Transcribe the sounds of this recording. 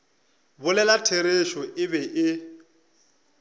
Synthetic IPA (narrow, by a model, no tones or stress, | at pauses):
bʊlɛlatʰeɾeʃɔʔɪbɛʔɪ